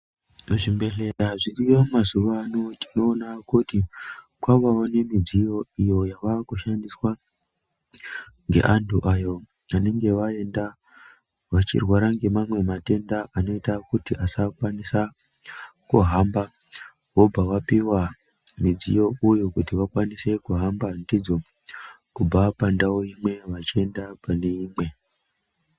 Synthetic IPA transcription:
ʐimbe̞ɮe̞taʐiriʋamazuʋanotino̞ːnakuti | kwaʋaone̞mid͡zijo̞ijo̞jaʋaːkuʃandiswa | ŋɡe̞̰ʔantuʔajo̞ | ane̞ŋɡe̞ʋae̞nda | ʋat͡ʃḭrwaɾaŋɡe̞mamwe̞mate̞ndaano̞itakutiʔasakwanisa | kṵɦamba | ɦo̞bʱaʋapiwa | mid͡zḭjo̞ujukutiʋakwanise̞kuɦambandid͡zo̞ | kub͡vapandaoimwe̞ʋat͡ʃie̞ndapane̞iːmwe̞

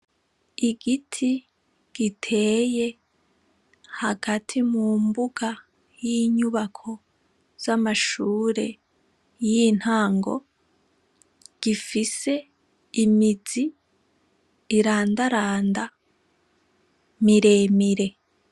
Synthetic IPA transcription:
iɡitʰi | ɡ̥itʰe̞ːje̞ | haɡ̥atʰimuːmbuɡa | jiɲuβakʰo̞ | z̥amaʃuːɾe̞̰ | jin̥haːŋɡo̞̰ | ɡ̥ifise̞ː | mizi | ɾaːndaɾaːnda | miɾe̞ːmiɾe̞

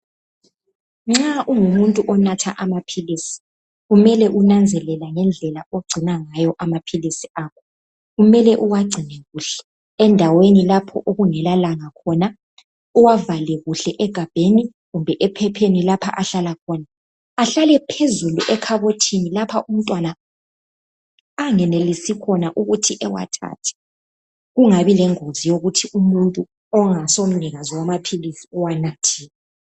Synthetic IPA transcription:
ŋ͡ǁaʔuŋumuntʼuʔɔnatʰa̰ʔamapʰiliːsi̥ | ɣumɛlɛʔunand͡zʱɛlɛlaŋɛnd͡ɮʱɛlaoɡ͡ǀʱinaŋajɔʔamapʰilisiʔaːkʰɔ | ɣumɛlɛʔuwaɡ͡ǀʱinɛɣuɬɛ̥ː | ndʱawenilapʰɔ̰ʔoɣuŋɛlalaŋakʰɔna | uwavalɛɣuɬɛʔɛɡ̥ʱab̥ʱeni | ɣumbʱɛʔɛpʰɛpʰenilapʰa̰ʔaɬalakʰɔnaː | ɬalɛpʰezuluʔɛkʰaβotʰinilapʰaʔum̩tʼwana | ŋɛnelisikʰɔnaʔuɣutʰiʔɛwa̰tʰa̰tʰɛ̥ | ɣuŋaβilɛŋozijoɣutʰiumuntʼu | ɔŋasom̩niɣazɔwamapʰilisiuwanatʰiːɣa

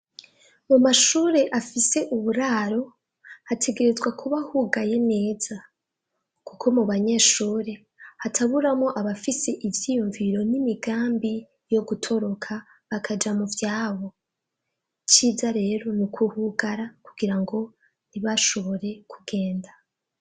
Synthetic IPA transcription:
mumaʃuɾe̞ʔafise̞ʔuβuɾaːɾo̞ | hatʰe̞ɡe̞ɾe̞zɡwakʰuβahuɡaje̞ne̞ːz̥a | kukʰo̞muβaɲe̞ːʃuːɾe̞ | hatʰaβuɾamŋo̞ʔaβafise̞ʔivjiːjuɱviɾo̞nimiɡaːmbi | jo̞ɡutʰo̞ɾo̞kʰa | βakʰad͡ʒamuvjaːβo̞ | t͡ʃiːzaɾe̞ːɾo̞nukʰuhuɡaɾakuɡiɾaŋɡo̞ | niβaʃo̞βo̞ɾe̞kʰuɡe̞ːnda

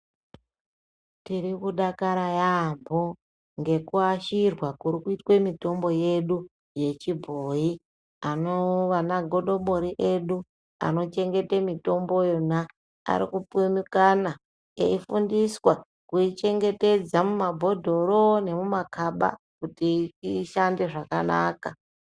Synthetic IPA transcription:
tiɾikuɗakaɾajambʱo | ŋɡe̞kuaʃirwakuɾikuitkwemito̞mbo̞je̞ɗu | je̞t͡ʃibʱoi | anoʋanaɡʱo̞ɗo̞ɓo̞ɾiʔe̞ɗu | a̰no̞t͡ʃe̞ŋɡe̞temito̞mbo̞jona | a̰ɾḭkupumikana | ḛifundiswa | kuit͡ʃe̞ŋɡe̞te̞d͡zamumabʱo̞dʱo̞ɾo̞ne̞mumakʰaɓa̰ | kutit͡ʃiʃande̞ʐakana̰ːka

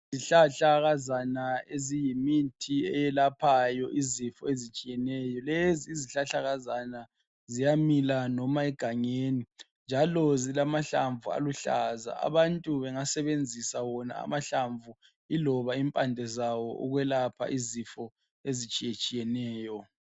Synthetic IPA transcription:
ziɬaɬaɣazanaezijimitʰiɛjɛlapʰajɔʔizifɔezit͡ʃʼijɛnɛːjɔleziːziɬaɬaɣazana | zijamilanɔmaɛɡ̥ʱaɲeni | nd͡ʒʱalɔzilamaɬaɱvua̰luɬa̰za̰a̰βantʼuβɛŋasɛβend͡zʱisawɔna̰a̰maɬaɱvʱu | ilɔβaimpʼandʱɛzawɔ̰ʔṵɣwɛlapʰa̰ʔizifɔ | ezit͡ʃʼijet͡ʃʼijɛnɛːjɔ

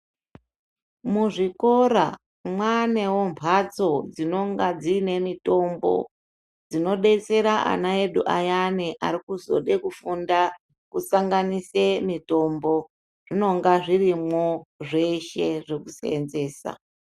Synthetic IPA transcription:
muʐiko̞ɾa | mwanewo̞mpʰat͡so̞d͡zino̞ŋɡad͡ziːne̞mito̞mbo̞̰ | d͡zino̞ɗe̞t͡se̞ɾaa̰nae̞ɗuʔajaniʔaɾikuzo̞̰ɗe̞kufunda | kusaŋɡanise̞mito̞mbo̞ | ʐ̥ino̞ŋɡaʐirimoʐe̞ʃe̞ʐe̞kuseenze̞ːsa̰

